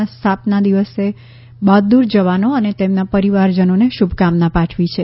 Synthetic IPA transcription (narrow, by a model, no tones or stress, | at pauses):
st̪ʰapnad̪iʋəse | bad̪d̪uɾd͡ʒəʋanoənet̪emnapəɾiʋaɾd͡ʒənoneʃubʱkamnapãʈʰʋit͡ʃʰe